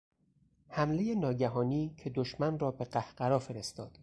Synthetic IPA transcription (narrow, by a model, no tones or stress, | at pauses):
hæmle̞je̞nɒːɟæɦɒːniːcʰed̪oʃmænrɒːbe̞ɢæhɢæɾɒːfe̞ɾe̞st̪ɒːd̪̥